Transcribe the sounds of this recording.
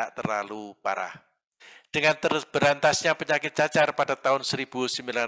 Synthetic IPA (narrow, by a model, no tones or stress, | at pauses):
aʔt̪ərlalupa̰ɾa̰h | d̥əŋant̪ərb̥əɾant̪asɲapəɲakɪt̪̚t͡ʃat͡ʃarpad̥at̪aʊnsəɾib̥usəmbila